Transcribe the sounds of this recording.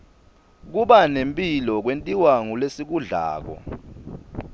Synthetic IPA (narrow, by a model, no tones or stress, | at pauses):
k̬uɓanempʼilɔk̬wentʼiwaŋulesik̬uɮa̰ːk̬ɔ̰